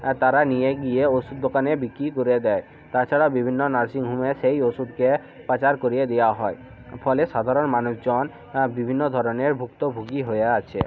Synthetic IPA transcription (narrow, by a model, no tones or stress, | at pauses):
t̪aɾanijeɡijeosud̪̚ːokanebikɾikoɾed̪ɛe | t̪aɾt͡ɕʰaɽawbibʱinːonaɾsiŋɦumeʃejosud̪ke | pat͡ɕaɾkoɾied̪ejaɦɔe | fʰɔleʃad̪ʱaɾonmanuʃd͡ʑɔn | bibʱinːod̪ʱɔɾoneɾbʱukt̪obʱuɡiɦojeat͡ɕʰḛ